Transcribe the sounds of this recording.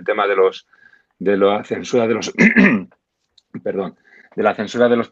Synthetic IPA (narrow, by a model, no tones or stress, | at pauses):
lt̪e̞maðe̞lo̞s | d̪e̞laθẽ̞nsuɾaðe̞lo̞s | peɾðo̞n | d̪e̞laθe̞nsuɾaðe̞lo̞s